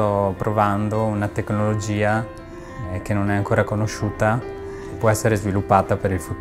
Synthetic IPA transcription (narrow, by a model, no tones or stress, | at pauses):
ɔpːɾovand̪ounat̪eknolod͡ʒiːa | kenonɛaŋkoːɾakonoʃuːt̪a | pːwɔɛsːeɾezvilupːaːt̪apeɾilfut̪ː